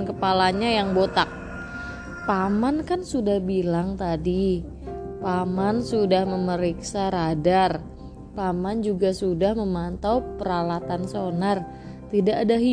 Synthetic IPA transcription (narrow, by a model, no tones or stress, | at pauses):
nkəpalaɲajaŋbot̪ak̚ | pamankansudahbilaŋt̪adi | pamansudahməməɾiksaɾadar | pamand͡ʒuɡasudahməmant̪awpəɾalat̪ansonar | t̪idaʔːdaɦi